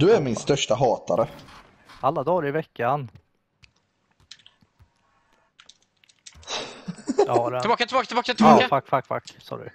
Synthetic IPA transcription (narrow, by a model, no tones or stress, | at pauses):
d̪ɵæɾmɪnst̪œʂʈaɦɑːt̪aɾə | alːad̪ɑːɾɪvɛkːan | aɾɛɪbɑːkat̪ʰɪbɑːkat̪ɪbɑːkat̪ɪɑafakːfakfa̰kːsɑ̰ːɖɵ̰